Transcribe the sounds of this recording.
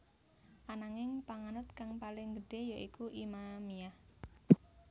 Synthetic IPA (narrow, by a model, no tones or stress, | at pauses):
ʔanaŋɪŋpaŋanʊt̪kaŋpalɪŋɡəɖ̥e̤jaʔikuʔimamijah